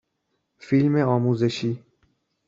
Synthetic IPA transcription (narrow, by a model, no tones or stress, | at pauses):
filmeɔːmuːzeʃiː